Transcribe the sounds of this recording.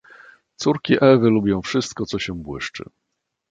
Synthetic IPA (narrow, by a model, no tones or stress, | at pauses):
t̪suɾkʲiʔɛvɘlubʲjɔ̃w̃fʂɘst̪̚kɔt̪sɔɕɛbwɘ̰ʂt͡ʂɘ̰